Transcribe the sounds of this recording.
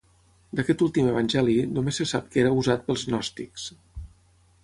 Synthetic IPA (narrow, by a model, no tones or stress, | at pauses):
d̪əkɛt̪ulˠt̪iməβənʲʒɛlinomesːəsap̚keɾəuzat̪̚pəlˠznɔst̪iks